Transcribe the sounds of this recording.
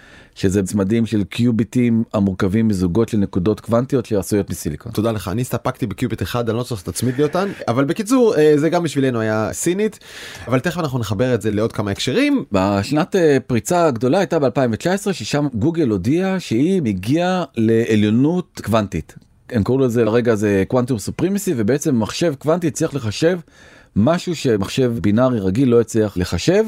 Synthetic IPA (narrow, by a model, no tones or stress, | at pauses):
ʃezet͡smadimʃe̞lkʰjubitimamuʁkavimːizuɡo̞tʃelne̞kudo̞tkvantijo̞t̪ʃeasujo̞tmisiliko̰t̪od̪aleχa̰a̰nistapakt̪ibekjubit̪eχad̪anlosoχḁt̪at͡smitlijotanavalbekit͡suʁezeɡambiʃvile̞nuajasinit̪ | avalteχvanaχnuneχabe̞ʁetze̞leo̞d̚kamaekʃeʁimbaʃnatepʁit͡saɡdo̞laajtabe̞alpaimvet͡ʃaesʁe̞ʃeʃamɡuɡe̞lo̞diaʃeiiɡiale̞ʔːljo̞nutkvantit | emkaʁulezeaʁe̞ɡazekwantumsupʁimisive̞beet͡se̞mːaχʃe̞vkvantiet͡sliaχle̞χaʃe̞v | maʃuʃe̞maχʃe̞vbinaʁiʁaɡilːo̞jet͡sliaχle̞χaʃe̞v